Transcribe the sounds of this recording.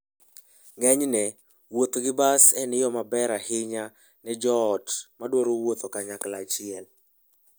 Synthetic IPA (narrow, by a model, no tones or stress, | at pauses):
ŋɛɲnɛ | wot̪ɡɪbasɛnɪjɔmabɛɾahɪɲa | nɛd͡ʒɔːtmadwoɾowot̪okaɲaklat͡ʃɪɛl